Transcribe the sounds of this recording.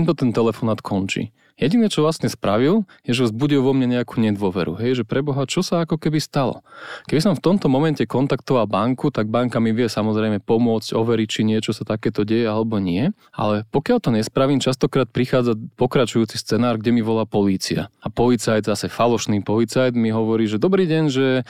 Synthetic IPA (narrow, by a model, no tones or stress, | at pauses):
ɛnt̪ɔt̪ɛnt̪ɛlɛfɔnaːt̪kʰɔnt͡ʃḭ | jɛɟinɛt͡ʃɔʋlasɲɛspɾaʋilˠjɛʒɛzbuɟilʋɔmɲaɲɛakuːɲɛd̪ʋɔʋɛɾṵɦɛjʒɛpɾɛbɔɦat͡ʃɔsaakɔkɛbist̪alɔ̰kɛbisɔɱft̪ɔmt̪ɔmɔmɛncɛkɔnt̪akt̪ɔʋalˠbaŋkut̪aɡ̚baŋkamiʋɪɛsamɔzɾɛjmɛpɔmʊɔt͡scɔʋɛɾic̚t͡ʃiɲɪɛt͡ʃɔsat̪akɛːt̪ɔɟɛjɛalɛbɔɲɪɛ | ʔa̰lɛpɔkɪalt̪ɔɲɛspɾaʋiːmt͡ʃast̪ɔkɾaːt̪̚pɾixaːd͡zapɔkɾat͡ʃujuːt͡sist͡sɛnaːɾɡɟɛmiʋɔlaːpɔliːt͡sia̰apɔlit͡sajd̪zasɛfalɔʃniːpɔlit͡sajd̪miɦɔʋɔɾiːʒɛd̪ɔbɾiːɟɛɲʒɛ